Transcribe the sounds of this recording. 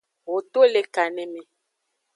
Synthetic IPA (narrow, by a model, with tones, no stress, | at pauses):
wo˨t̪o˦le˨ka˨nẽ˨mẽ˨